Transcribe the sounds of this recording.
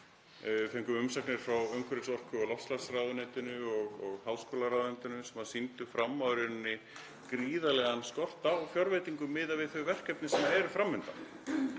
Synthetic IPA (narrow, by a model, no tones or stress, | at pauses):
fɛŋkʏʏmsaknɪɾ̥fɾawœŋkʰɾɪt̪sɔr̥kʏɔlɔfslasɾawðʏnɪnt̪ʏnʏɔɣɔɣhawskɔːlaɾawðent̪ɪnʏsɛmasint̪ʏfɾamːawɾɪnnːɪ | kɾiːðalɛɣanskɔr̥t̪awfjɔɾvejt̪iŋkʏmɪðavɪðθœɥvɛr̥kɛp̚nɪsɛmːaɛɾʏfɾamːʏnt̪a